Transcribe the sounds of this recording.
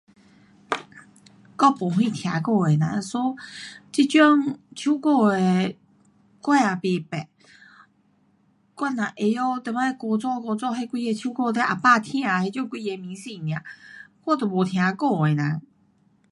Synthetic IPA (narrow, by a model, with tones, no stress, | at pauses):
kɔ˥˧˨pu˨˦ɦwi˥˧t̪ʰja˧˦ko˥˧˨e˨˩na̰˧sɔ˧˦t͡ɕi˧˩t͡ɕɔ˥˧˦ŋt͡ɕʰu˥˦ko˥˧e˨˧ | kwa˥˧a˨˩pi˧˩pɛ˨˩ | kwa˥˧˨na˨ʔe˨˧jo˥˧t̪ɛ˧˩ma˧e˧kɔ˧˩t͡sɔ˥˧˨kɔ˧t͡sɔ˥˧ɦe˥˧kwi˥˧e˧t͡ɕʰju˧˦ko˥˧t̪e˧˦ʔa˨˩pa˥˧t̪ʰɛ̃˧a˨˧he˧t͡ɕɔ˥˧ŋkwi˥˧e˧mĩ˧˦si˧˨mj̃a˨xwɔ˥˩t̪ɤ˨˩wɔ˨˩t̪ʰja˨˧˦ko˥˧˨e˨˩nã˨˧˦